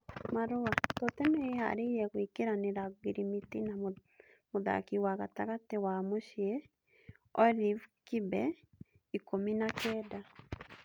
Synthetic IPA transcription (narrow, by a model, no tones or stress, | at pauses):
maɾoatɔtɛmɛeha̰ɾeɾɛɣwikeɾaneɾaɡiɾimitina | moða̰kiwaɣataɣatewamoʃiɛ | ɔɾivkibɛ | ikominakɛːda